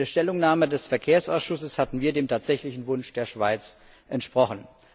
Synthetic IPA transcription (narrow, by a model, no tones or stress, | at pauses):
eɐʃtɛlʊŋnaːmədɛsfɛɐkʰeːɐsʔaʊsʃʊsəshatn̩viːɐdeːmtʰaːtz̥ɛçlɪçn̩vʊnʃd̥eːɐʃv̥aɪt͡s | ʔɛntʃpʁ̥ɔχən̩